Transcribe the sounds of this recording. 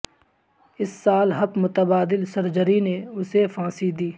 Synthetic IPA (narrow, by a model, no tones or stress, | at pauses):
ɪsːaːlɦɐpmʊt̪əbaːd̪ɪlsəɾd͡ʒəɾineʊsefʰãːsid̪iː